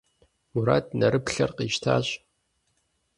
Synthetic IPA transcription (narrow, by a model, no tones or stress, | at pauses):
muɾa̰ːt̚ʰnɐɾɨpɬɐrqiːʃtʰa̰ːɕʼ